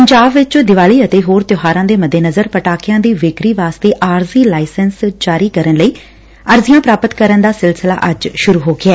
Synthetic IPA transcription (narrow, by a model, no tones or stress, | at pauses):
ppəɲd͡ʒaːbʋɪt͡ʃd̪ɪʋaːliːət̪eːɦoːɾt̪joːɦaːɾãːd̪eːməd̪ːeːnəzəɾpəʈaːkɪjãːd̪iːʋɪkɾiːʋaːst̪eːʔaːɾziːlaːɪsənsd͡ʒaːɾiːkəɾənləiː | əɾzɪjãːpɾaːpət̪kəɾənd̪aːsɪlsəla̰ːʔəd͡ʒʃʊɾuːɦoːɡɪɛː